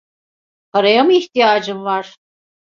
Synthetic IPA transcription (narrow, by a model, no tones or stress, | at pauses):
pʰaɾajamɯiçt̪ijaːd͡ʒɯmvaɾ̥